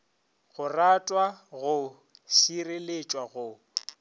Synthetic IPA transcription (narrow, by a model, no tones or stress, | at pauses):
ɣʊratʼwaɣʊ | ʃirelet͡ʃʼwaɣʊ